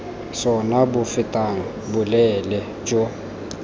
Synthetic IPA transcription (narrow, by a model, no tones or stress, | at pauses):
sɔnabʊfɪtʼaŋ̩bʊlɛlɛ | d͡ʒo